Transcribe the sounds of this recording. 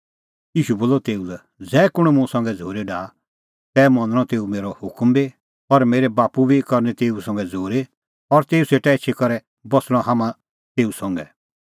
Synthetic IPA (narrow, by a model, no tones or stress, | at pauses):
jiːʃuboːlɔt̪eːulɛ | d͡zɛːkʊɽ̃ɛmũsɐ̃ŋɡɛd͡zʱoːɾeɖaː | t̪ɛːmɐ̃nd̪ə̃ɽ̃ɔ̃t̪eːumeːɾɔhʊkmbi | ɔɾmeːɾɛbaːpubikɐɾnɛt̪eːusɐ̃ŋɡɛd͡zʱoːɾe | ɔɾt̪eːuseːʈɛet͡ʃʰekɔɾɛ | bɔsɽ̃ɔ̃haːmã | t̪eːusɔ̃ŋɡɛ